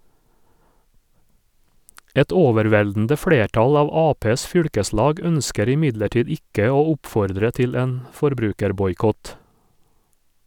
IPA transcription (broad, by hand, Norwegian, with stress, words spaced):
ˈɛt ˈoːʋɛɾˌʋɛldn̩də ˈfɽeːˌʈɑl ˈɑːʋ ˈɑːpeːs ˈfʏɽkəˌslɑːɡ ˈœnskəɾ ɪˈmɪdləˌʈiːd ˈɪkə ˈoː ˈʊpfɔɾdɾə ˈtɪl ˈeːn fɔɾˈbɾʉːkəɾbɔjˌkɔt